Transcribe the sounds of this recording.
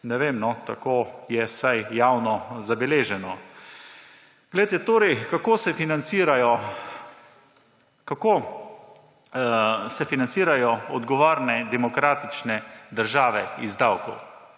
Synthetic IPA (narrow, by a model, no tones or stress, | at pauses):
nɛʋemnɔt̪a̰koːjɛsajjawnɔzabɛleːʒɛnɔ | ɡ̥lɛjt̪ɛt̪oːɾɛjkakoːsɛfinansiɾajɔ | kakoː | sɛfinantsiːɾajɔɔd̪ɡɔʋaːɾnɛd̪ɛmɔkɾaːt̪it͡ʃnɛd̪əɾʒaːʋɛizd̪awkɔw